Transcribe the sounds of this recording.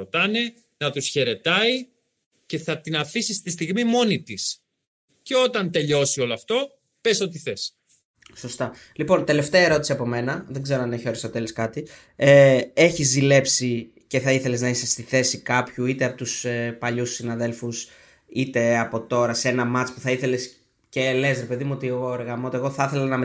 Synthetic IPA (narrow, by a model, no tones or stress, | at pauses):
ot̪ɐne̞ | nɐt̪usçe̞ɾe̞t̪ɐi | ce̞θɐt̪inɐfisist̪ist̪iɣmimo̞nit̪is | ceo̞t̪ɐnt̪e̞ʎo̞sio̞loɐft̪o̞ | pesot̪iθes | so̞st̪ɐ | lipo̞nt̪e̞le̞ft̪eɐeɾo̞t̪i̥siɐpo̞me̞nɐðe̞ɡze̞ɾoɐneçio̞ɾest̪o̞t̪e̞loskɐt̪i | ee̞çizðile̞psi | ce̞θɐiθe̞le̞znɐisest̪iθe̞sikɐpçuit̪eɐpo̞t̪usepɐʎusinɐðe̞lfus | it̪e̞ɐpo̞t̪o̞ɾɐse̞nɐmɐt͡spuθɐiθe̞le̞s | cele̞sɾe̞pe̞ðimuot̪ieɣoeɾɣɐmoot̪ieɣo̞θɐθe̞lɐnɐme